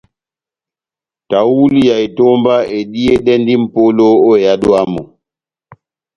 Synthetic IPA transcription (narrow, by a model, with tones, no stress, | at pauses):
ta˨wu˦li˦ja˨jtɔ˦mba˦e˨ɗi˦e˦ɗɛ˦ndi˦m̩˨po˦lo˦ɔ˦ja˦ɗɔ˦a˦mɔ˨